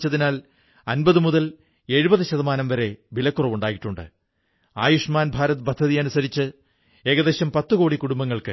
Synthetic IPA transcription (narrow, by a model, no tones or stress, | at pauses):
t͡ɕːɐðinaːl | ɐnbɐðɨmuðɐl | e̞ɻubɐðɨɕɐðɐmaːnɐmʋɐɾe̞bilɐkːurɐʋuɳɖaːjiʈːuɳɖɨ̰ | aːjuʂmaːnbʱaːɾɐt̪̬bɐd̪ʱːɐðijɐnusɐɾit͡ɕːɨ | e̞ːɣɐðe̞ːɕɐmpɐt̪ːɨko̞ːɽikuɽumbɐŋːɐɭkɨ